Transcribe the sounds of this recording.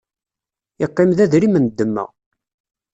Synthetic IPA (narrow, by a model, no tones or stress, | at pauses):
ɪqːɪmðæðɾimənd̪ːəmːə̰ʁ